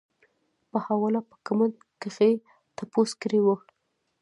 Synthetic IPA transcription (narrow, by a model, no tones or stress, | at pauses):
pəhawɑlapə̥kamand̪kexej | t̪aposkɾiwəkɽ